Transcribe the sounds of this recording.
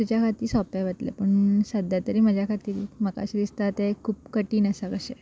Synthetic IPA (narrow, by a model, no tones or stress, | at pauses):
t̪ut͡ɕjakʰat̪iːsɔpaʋət̪lḛpəɳsəd̪jat̪əɾiːməd͡ʑʱjakʰat̪iːɾməka̰ɕid̪ist̪at̪ekʰuːpkəʈiːnəsəkəɕe